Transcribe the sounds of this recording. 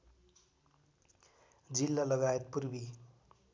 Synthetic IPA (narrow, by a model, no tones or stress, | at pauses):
d͡zilːalʌɡajet̪̚purbi